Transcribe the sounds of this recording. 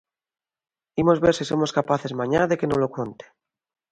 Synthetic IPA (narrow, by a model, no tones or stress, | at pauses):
imo̞zβeɾsisomoskapaθezmãɲaðe̞kenolokont̪e̥